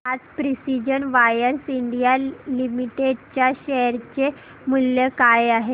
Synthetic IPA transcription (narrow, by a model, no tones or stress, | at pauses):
ad͡zpɾisid͡ʑənʋajəɾsiɳɖijalimiʈeɖt͡ɕjaɕeɾt͡ɕe | muljekajaɦe